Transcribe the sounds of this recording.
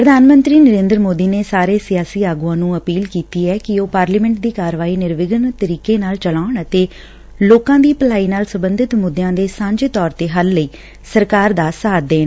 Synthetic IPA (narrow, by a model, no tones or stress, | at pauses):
pɾəd̪ʱaːnmə̃nt̪ɾiːnəɾẽːnd̪əɾmoːd̪iːneːsaːɾeːsɪjaːsiːaːɡuãːnũːəpiːlkiːt̪iːɛːkɪoːpaːɾliːmɛ̃ːɳʈ̚d̪iːkaːɾʋaːiːnɪɾʋɪɡənt̪əɾiːkeːnaːlt͡ʃəlaːɳət̪eː | loːkãːd̪iːpəlaːiːnaːlsəmbənd̪ɪt̪mʊd̪jãːd̪eːsãːɲd͡ʒet̪ɔːɾt̪eːɦəlːəiː | səɾkaːɾd̪aːsaːd̪̚ːeːɳ